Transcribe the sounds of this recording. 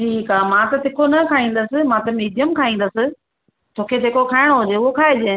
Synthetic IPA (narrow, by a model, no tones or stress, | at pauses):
ʈʰiːkaːmãːt̪ɐt̪ɪkʰonɐkʰaːĩːn̆d̪əsɪ̆mãt̪ɐmiːd̪ijəmkʰaːĩːn̆d̪əsɪ̆ | t̪ʰoːkʰet̪eːkokʰaːɪɽ̃oɦʊd͡ʑeʊɦokʰaːɦed͡ʑẽ